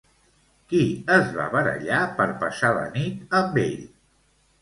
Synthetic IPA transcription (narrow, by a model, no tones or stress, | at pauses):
kiəzβa̰βəɾə̰ʎapəɾpəsalə̰nit̪əmbḛʎ